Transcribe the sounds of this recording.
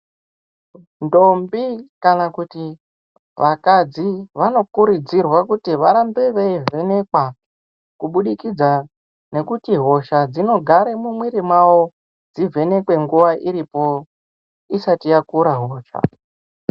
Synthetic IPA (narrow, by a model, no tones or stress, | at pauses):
ndo̞mbikanakuti | ʋʔakad͡ziʋano̞kuɾid͡zirwakutiʋaɾambeʋeive̞ne̞kwa | kuɓuɗikid͡za | ne̞kutiɦo̞ʃad͡zino̞ɡʱaɾe̞mumwiɾimwawo̞ | d͡zivʱe̞ne̞kwe̞ŋɡuʋaʔiɾipo̞ | isatijakuɾaɦoːʃa̰